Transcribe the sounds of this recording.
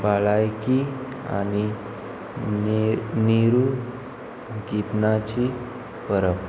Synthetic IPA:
baɭajki | a̰ni | niɾu | ɡitnat͡ɕi | pəɾəp

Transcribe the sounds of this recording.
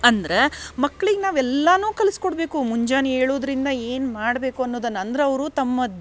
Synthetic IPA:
ɐnd̪ɐɾe̞mɐkːɭiɡenaːʋɛlːɐnuːkɐliskoɽbeːkumuɲd͡ʒaːnieːɭoːd̪ɐɾind̪ɐeːnmaːɽbe̞ːkuɐnːoːd̪ɐnːɐnd̪ɐɾeɐʋɐɾut̪ɐmːɐ

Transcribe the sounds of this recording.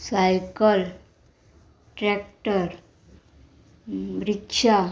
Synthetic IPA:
sajkəl | ʈɾɛk̚ʈəɾ | ɾikʂa

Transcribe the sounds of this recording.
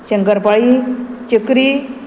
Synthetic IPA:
ɕəŋkəɾpaɭit͡ɕəkɾi

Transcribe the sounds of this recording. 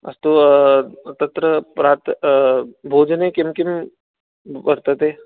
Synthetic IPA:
ɐ̰st̪o | t̪ɐt̪ɾəpɾaːt̪ | bʱoːd͡ʒnekɪmkɪm | bɐɾt̪ət̪eː

